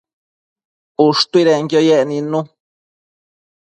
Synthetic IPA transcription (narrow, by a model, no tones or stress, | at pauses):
uʂt̪uiɾeŋkjojeʔnĩnũ